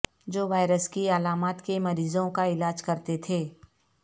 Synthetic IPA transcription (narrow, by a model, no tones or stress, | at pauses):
d͡ʒoːʋaːɪɾəskiɐlaːmaːt̪kemɐɾiːzõkaɪlaːd͡ʒkɐɾt̪et̪ʰeː